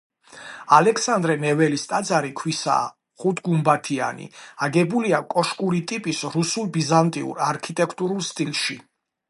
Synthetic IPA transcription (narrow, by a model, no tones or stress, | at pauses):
alɛksand̪ɾɛnɛvɛlist̪ʼad̪zaɾikʰwisa̰ː | χut̪ʰɡumbat̪ʰia̰nḭaɡɛbuliakʼɔʃkʼuɾit̪ʼipʼisɾusulˠbizant̪ʼiṵɾaɾkʰit̪ʼɛkʰt̪ʼuɾulˠst̪ʼilˠʃi